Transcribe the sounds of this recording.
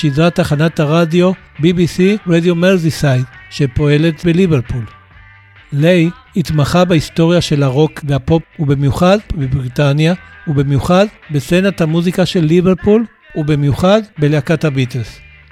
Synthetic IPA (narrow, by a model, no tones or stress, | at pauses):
ʃidʁataχanathaʁadjo̞ | bibisiʁedjomelzisajdʃe̞po̞e̞letbelibeʁpul | lej | itmaχabaist̪o̞ʁjaʃe̞laʁo̞kveapo̞pubemjuχadbebʁit̪anjaubemjuχadbesenathamuzikaʃe̞lːibeʁpul | ubimjuχadbeleakathabitels